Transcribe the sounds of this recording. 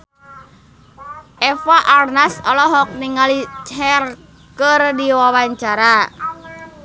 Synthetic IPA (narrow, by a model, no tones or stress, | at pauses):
ʔɛfaʔarnasɔlɔɦɔk̚niŋalit͡ʃhɛr | kərdiwawaɲt͡ʃaɾa